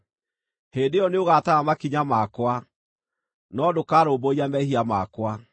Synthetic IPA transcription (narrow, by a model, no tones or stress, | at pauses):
heːdeɔneoɣataɣamakiɲamakwa | nɔdokaːɾoːboiamɛɦiamakwa